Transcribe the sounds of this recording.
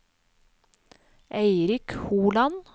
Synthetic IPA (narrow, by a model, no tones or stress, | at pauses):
ʔeɪɾɪkhuːlɑn